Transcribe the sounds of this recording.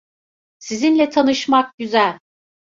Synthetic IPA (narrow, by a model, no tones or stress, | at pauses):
sizinlʲɛt̪ʰanɯʃmak̚ɟyzælʲ